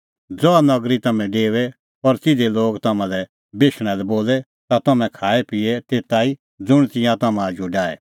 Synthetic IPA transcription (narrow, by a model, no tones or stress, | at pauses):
d͡zɔanɐɡɾit̪ɐmɛ̃ɖeːʋɛ | ɔɾt̪ɪd̪eloːɡt̪ɐmãlɛ | bɪʃɽ̃ɛ̃lɛboːlɛ | t̪at̪ɐmɛ̃kʰaːɛpɪɛt̪eːt̪aːi | d͡zʊɽ̃t̪ɪ̃jãt̪ɐmãd͡ʒuɖaːɛ̰